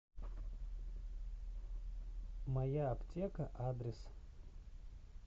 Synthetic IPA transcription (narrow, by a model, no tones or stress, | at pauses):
mɐjaɐpt̪ʲekɐʔad̪ʲɾʲɪs